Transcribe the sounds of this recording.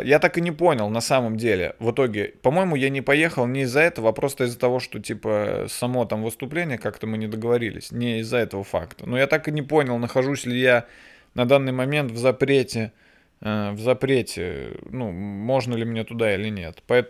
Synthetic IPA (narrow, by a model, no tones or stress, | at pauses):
jat̪akɨnʲɪpo̞nʲɪlˠnɐsaməmdʲelʲɪ̰vɨt̪o̞ɡʲɪpɐmo̞jɪmʊjanʲɪpɐje̞xəlˠnʲɪːzːɐɛt̪əvəɐpɾo̞st̪əɪzːət̪ɐvo̞ʂt̪o̞tʲipə̰sɐmo̞t̪amvɨst̪ʊplʲenʲɪjəkakt̪əmɨnʲɪd̪əɡəvɐɾʲilʲɪ̰sʲnʲɪɪzːɐɛt̪əvəfa̰kt̪ənojat̪akɨnʲɪpo̞nʲɪlˠnəxɐʐusʲlʲɪja | nɐd̪anːɨjmɐmʲe̞nt̪vzɐpɾʲetʲɪ | əvzɐpɾʲetʲɪ̰numo̞ʐnəlʲɪmʲnʲet̪ʊd̪ailʲɪnʲe̞̰t̪pɐɛt̪